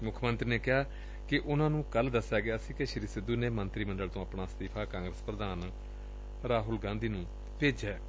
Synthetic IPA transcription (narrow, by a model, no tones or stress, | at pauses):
mʊkʰːmənt̪ɾiːneːkɪaː | kɪʔʊnãːnũːkəld̪əsːjaːɡeaːsĩːkeʃəɾiːsɪd̪ːuːneːmənt̪ɾiːməɳɖəlt̪õːapɳaːst̪iːpʰaːkãːŋɡɾəspɾəd̪aːn | ɾaːɦʊlɡãːnd̪iːnũː | peːd͡ʒɛː